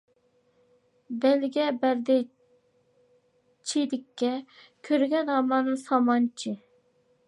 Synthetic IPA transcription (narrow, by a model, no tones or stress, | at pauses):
bɛlɡʲɛbæɾd̪ɪ | t͡ʃʰid̪ɪkʲʰːɛkʲʰøɾɡʲɛnɑmɑnɨŋsɑmɑnt͡ʃʰi